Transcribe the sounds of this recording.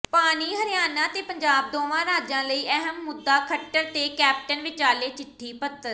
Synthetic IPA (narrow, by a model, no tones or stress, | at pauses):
paːniːɦəɾɪjaːnaːt̪eːpəɲd͡ʒaːb̚d̪oːʋãːɾaːd͡ʒãːləiːəɦəmːʊd̪ːaːkʰəʈːəɾt̪eːkɛːp̚ʈənʋɪt͡ʃaːleːt͡ʃɪʈʰːiːpət̪ːəɾ